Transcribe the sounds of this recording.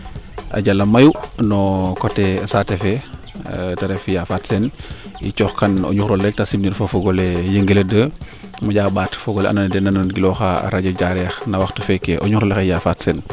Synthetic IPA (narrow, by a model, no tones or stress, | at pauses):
ʔɐ̰ɟalɐmɐjunɔkɔtɛsatɛfɛ | tɐɾɛfijafaːtsɛnḭt͡ʃɔːxkɐno̰ɲuxɾɔlɛk̚tasimninfofoɡɔlejəŋɡəledə | maɟaːbaːtfɔɡɔlɛʔa̰nɐndɛnɐnnɡilɔxa̰ɾaɟɐɟaɾɛxnɐwɐxtufɛkeʔoɲuxɾɔlɛxejafatsɛn